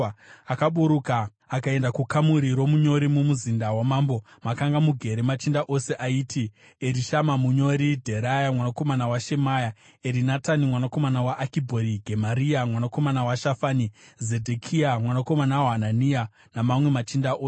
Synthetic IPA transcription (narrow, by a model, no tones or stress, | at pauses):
akaɓuɾukaː | kae̞ndakukamuɾiɾo̞muɲo̞ɾimumuzindawamaːmbo̞ | makaŋɡamuɡʱe̞ɾemat͡ʃindaʔo̞se̞ʔaiːti | eɾiʃamamuɲo̞ɾidʱe̞ɾajamwanako̞manawaʃe̞maja | eɾinatanimwanako̞manawaʔːkibʱoɾiɡʱemaɾiamwanako̞manawaʃafanize̞dʱekʰiamwanako̞manawanania | namamwe̞mat͡ʃindaʔos